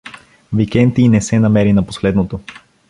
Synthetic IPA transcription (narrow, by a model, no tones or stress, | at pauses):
vikɛnt̪inɛsɛnɐmɛɾinɐpo̥sxlɛd̪not̪o